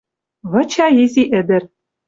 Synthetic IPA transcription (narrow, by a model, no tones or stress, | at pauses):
βɤ̆t͡ɕɑjezʲiʔɘ̆d̪ɘ̆r